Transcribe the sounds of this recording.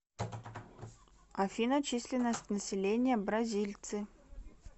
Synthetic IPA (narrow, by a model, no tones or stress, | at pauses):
ɐfʲinɐt͡ɕisʲlʲɪnəsʲtʲnəsʲɪlʲenʲɪjəbɾɐzʲilʲt̪sɨ